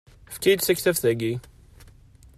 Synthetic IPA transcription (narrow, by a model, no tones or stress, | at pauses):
fkæjd̪sæçθæfθæɡi